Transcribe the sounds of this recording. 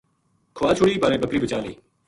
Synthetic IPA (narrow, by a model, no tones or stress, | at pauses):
kʰoʋaːt͡ʃʰʊɽiːpaːɾẽːbəkɾiːbət͡ʃaːlḛː